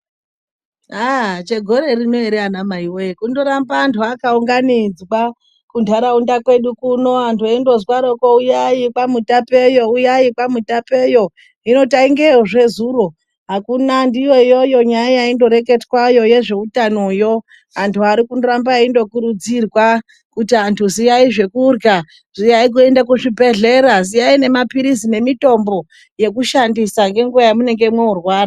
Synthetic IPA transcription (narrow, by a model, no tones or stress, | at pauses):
at͡ʃe̞ɡʱo̞ɾe̞rino̞eɾeanamaiwoekundoɾambaːntʰuakauŋɡanid͡zwa | kundʰʱaɾaundakwe̞ɗukuno̞antʰuaindo̞zwaɾokoujaikwamutape̞jo̞ujaikwamutape̞jo̞ | ino̞taiŋɡeʐe̞zuːro̞ | ɦakunandijo̞jo̞jo̞ɲajajaindo̞ɾe̞k̬e̞tkwajo̞je̞ʐe̞utanojo̞ | antʰuaɾikunoɾambaindo̞kuɾud͡zirwa | kutiantʰuzijaiʐe̞kuːrɡa | ʐ̥ijaik̬ue̞ndak̬uʐibʱe̞ɮe̞ɾazijaine̞mapiɾisine̞mito̞mbo | je̞kuʃandisaŋɡe̞ŋɡuʋajamune̞ŋɡemweurwaːra